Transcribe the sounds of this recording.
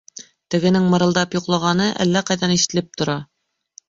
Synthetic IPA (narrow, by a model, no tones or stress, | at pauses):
t̪ɘ̆ɡɘ̆nɘŋmɤ̆ɾɤ̆ld̪ɑpjuqlˠɑʁɑnɤʔæ̰lːæqɑjðɑniʃɘ̥̆t̪ɘ̆lɘp̚t̪ŏɾɑ